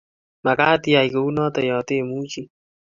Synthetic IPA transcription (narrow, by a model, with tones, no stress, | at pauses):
ma˨kaː˦t̪i˦a˨ijko˨u˦nɔː˦t̪ɛ˨jɔː˨t̪e˦mu˦t͡ʃi˦